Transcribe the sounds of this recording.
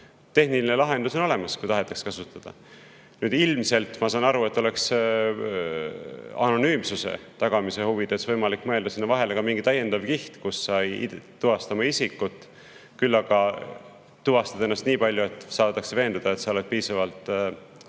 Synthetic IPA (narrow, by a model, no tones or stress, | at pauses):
t̪e̞hniline̞lɑɦe̞nd̪uso̞no̞le̞mɑskujt̪ɑɦe̞t̪ːˑɑ̥kskɑsut̪ːˑɑd̪̥ɑ̰ | nyːd̪ilmse̞lt̪ˑmɑsɑːnɑɾue̞t̪ːˑo̞leks | ɑno̞nyːmsuse̞̰t̪ɑɡ̥ɑmise̞huvid̪̥e̞svɤjmɑlikːmɤ̞e̞ld̪̥ɑsinːɑvɑɦe̞lekɑmiŋɡit̪ɑje̞nd̪̥ɑvkiht̪kusːɑ̰t̪ːuvɑst̪ɑmɑisikːˑut̪ːˑ | kylːɑɡ̥ɑ | t̪ːuvɑst̪ɑd̪ɑenːɑst̪niːpɑlʲjue̞t̪ːˑsɑːt̪ːɑkseve̞ːnd̪̥ɑd̪ɑet̪sɑolet̪̚piːsɑvɑlt̪ˑ